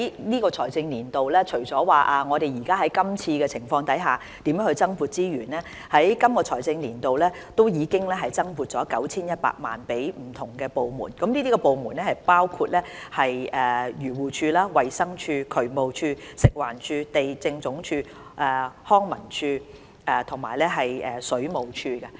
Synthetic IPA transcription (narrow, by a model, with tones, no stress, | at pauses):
jniː˥kɔː˧t͡ʃʰɔ̰ː˨˩jt͡sɪ˧ŋliː˨˩nt̪o˨wlɛː˥t͡ʃʰɵ˨˩ɥt͡sɔː˨˥waː˨˩ʔaː˨ŋɔː˨˧ɾe˨jiː˨˩kaː˥ɦɐ˨˥jkɐ˥mt͡sʰiː˧kɛː˧t͡sʰɪ˨˩ŋfɔː˧ŋt̪ɐ˨˥jɦaː˨ | t̪i˨˥mjœː˨˥ŋhɵ˧t͡sɐ˥ŋfuː˨˧t̚t͡siː˥ɥyː˨˩nɛː˥ | hɐ˨˥jkɐ˥mkɔː˧t͡ʃʰɔ̰ː˨˩jt͡sɪ˧ŋliː˨˩nt̪o˨wlɛː˥ | t̪o˥wjiː˨˧kɪ˥ŋlɛː˥ɦɐ˨jt͡sɐ˥ŋpu˨˧t̚t͡sɔː˨˥kɐ˨˥wt͡sʰiː˥njɐ˥t̚pa̰ː˧k̚ma̰ː˨npe˨˥jm̩˨˩t̪ʰʊ˨˩ŋkɛː˧po˨wmṵː˨˩nkɐ˨˥mliː˥t̪i˥kɔ˧po˨˧wmuː˨˩nɛː˥hɐ˨˩jpaː˥wkʰu˧t̚lɛː˥hɐ˨jʔɛː˨jyː˨˩wuː˨˩t͡ʃʰyː˧laː˥wɐ˨jsɐ˥ŋt͡ʃʰyː˧kʰɵ˨˩ɥmo˨wt͡ʃʰyː˧sɪ˨k̚waː˨˩nt͡ʃʰyː˧t̪e˨jt͡sɪ˧ŋt͡sʊ˨˥ŋt͡ʃʰyː˧ | ʔɛː˨˩hɔː˥ŋmɐ˨˩nt͡ʃʰyː˧ | ʔɛː˨t̪ʰʊ˨˩ŋma̰ː˨˩jlɛ˥ɦɐ˨jɛː˨˩sɵ˨˥ɥmo˨wt͡ʃʰyː˧ɡɐ˧